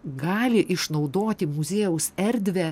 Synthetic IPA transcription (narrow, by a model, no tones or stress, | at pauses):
ɡɑːlʲɪʔɪʃnɐʊd̪oːt̪ʲɪmʊzʲeːjɛʊsɛɾʲd̪ʲʋʲɛ